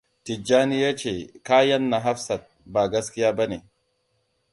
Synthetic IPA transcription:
t̪ɪ˨d͡ʒːaː˦nɪ˦jɛ˦t͡ʃe˨kaː˦jɐ˦nːɐ˨ɦɐ˦fsɐ˨t̪̚baː˨ɡɐ˦skɪ˦jaː˦bɐ˦ne˨

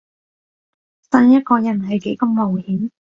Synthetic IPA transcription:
sɐ˧njɐ˥t̚kɔː˧jɐ˨˩nhɐ˨˩jke˨˥jkɐ˧mːo˨˩whi˨˥ŋ

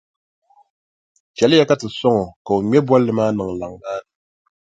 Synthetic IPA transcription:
t͡ʃɛ˨lɨ˦ja˦ka˦tɨ˨sɔ˦ŋɔ˨ka˨u˨ɲɛ˦bwɔ˦lːɨ˨maː˦nɨ˨ŋ˨la˨ŋɡaː˦nɨ˨

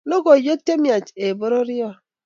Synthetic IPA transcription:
no˦ɡo˨jo˦te˦mi˦˨a˨t͡ʃe˨bo˦ɾo˦ɾi˦ɔ˦˨

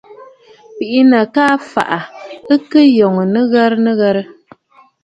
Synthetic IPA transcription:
pi˨ʔi˦nə˨kaː˦fa̰˨ʔa˨ɨ˦kɨ˦jɔ˨ŋ˨nɨ˦ɣɛ˦ɾnɨ˦ɣɛ˦ɾɨ˦

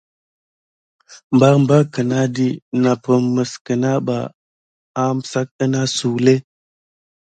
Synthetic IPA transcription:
mba˦ɾm˦ba˦kə˨na˦di˦na˨pə˨mmə˨skə˨na˦ɓa̰˨ | a˦m˨sa˦k̚ə˦na˦su˨le˦

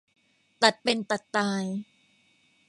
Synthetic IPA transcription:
t̪a˨˩t̪̚pe˧nt̪a˨˩t̪ːaː˧j

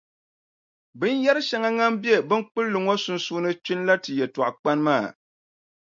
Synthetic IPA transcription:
bɨ˦n˦jɛ˦ɾɨ˦ʃa˨˦ŋa˦ŋa˦m˦bi˦e˦bɨ˦nk͡pɨ˦lːɨ˨ŋo˦sʊ˦nsu˦nɨ˦t͡ʃi˦n˦la˦tɨ˨jɛ˨tɔ˨ʔʊ˨k͡pa˦nmaː˦˨

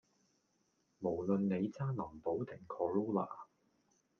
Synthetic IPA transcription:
mo˨˩wlɵ˨nːe˨˧jt͡saː˥nɐ˨˩mpo˨˥wt̪ɪ˨˩ŋkʰɔː˨˧lo˥wla̰ː˨˩

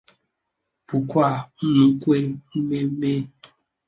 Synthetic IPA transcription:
pu˨kwa˦˨˦nũ˨˦kwe˦me˦me˦

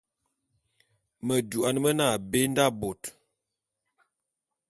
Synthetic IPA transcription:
mə˨du˨a˨nmə˦na˦˨be˦nda˦bo˨t

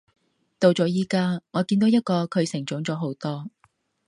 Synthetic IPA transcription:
t̪o˧wt͡sɔː˨˧˥jiː˥kaː˥ŋɔː˨˧kiː˧nt̪o˨˥wjɐ˥t̚kɔː˧kʰɵ˨˧ɥsɪ˨˩ŋt͡sʊ˨˥ŋt͡sɔː˨˥ɦo˨˥wt̪ɔː˥

